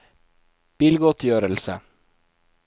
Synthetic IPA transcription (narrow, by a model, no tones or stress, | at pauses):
b̥ɪlɡɔt̪ʰjøːɾəlsə